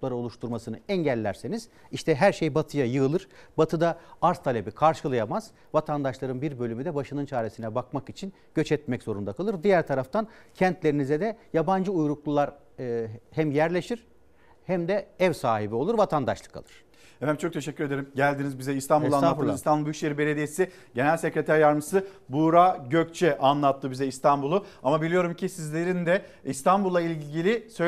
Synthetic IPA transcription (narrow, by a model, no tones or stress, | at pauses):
uplˠaɾao̞lˠuʃt̪ʰuɾmasɯnɯɛɲɟælʲːæɾse̞niz̥ | iʃt̪ʰɛɦæɾʃejbat̪ʰɯjajɯɯlˠɯɾbat̪ʰɯd̪aaɾst̪ʰalʲe̞bikʰaɾʃɯlˠajamaz̥ | vat̪ʰand̪aʃlˠaɾɯnbiɾbø̞lʲymyd̪ɛbaʃɯnɯnt͡ʃʰaːɾesinɛbak̚makit͡ʃʰin | ɟ̥øt͡ʃɛt̪mɛcz̥o̞ɾund̪akʰalˠɯɾd̪ijæɾt̪ʰaɾaft̪ʰan | cʰɛnt̪lʲe̞ɾinizɛd̪ɛjaband͡ʒɯujɾuklˠulˠaɾ | hæmjæɾlʲe̞ʃiɾ̥ | hæmd̪ɛɛvsaːɦibio̞lˠuɾvat̪ʰand̪a̰ʃlˠɯ̥kʰa̰lˠɯ̥ɾ̥ | ɛfæmt͡ʃo̞k̚t̪ʰe̞ʃɛcʰʲːyɾe̞d̪eɾimɟælʲd̪inizbizɛist̪ʰanb̪ulˠanˠaɯzist̪anbulˠbyʃʲeɾibe̞lʲed̪iesi | ɟe̞nælʲsecɾet̪ʰæɾjaɾmɯsɯbuɾaɟøc̚t͡ʃʰɛʔanlˠat̪ʰːɯbizɛist̪ʰanbulˠuamabilʲijo̞ɾumcʰisizlʲeɾinid̪ɛist̪ʰanbulˠːailʲɟilʲisø